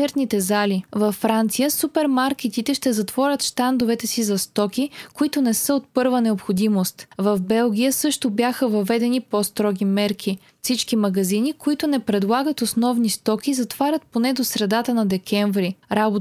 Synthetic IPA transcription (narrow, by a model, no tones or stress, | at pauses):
ɛɾt̪nit̪ɛzalivɐfːɾant̪sijəsupɛɾmaɾkɛt̪it̪ɛʃt̪ɛzɐt̪vɔɾʲət̪ʃt̪and̪ʊvɛt̪ɛsizɐst̪ɔkʲikoit̪ʊnɛsɤot̪̚pɤɾvənɛopxod̪imost̪vɐvbɛlˠɡʲijəsɤʃt̪ʊbjaxəvɐvɛd̪ɛnipɔst̪ɾɔɡʲimɛɾkʰi | fsit͡ʃkimɐɡɐzinikoit̪ʊnɛpɾɛd̪lˠaɡət̪osnɔvnist̪ɔk̟ʲizɐt̪v̥aɾʲət̪̚ponɛd̪osɾɛd̪at̪ənɐd̪ɛkʰɛɱvɾiɾabo